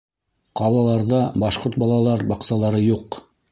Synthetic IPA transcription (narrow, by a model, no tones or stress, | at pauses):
qɑlˠɑlˠɑɾðɑbɑʃqoɾt̪̚bɑlˠɑlˠɑɾbɑqsɑlˠɑɾɤjuq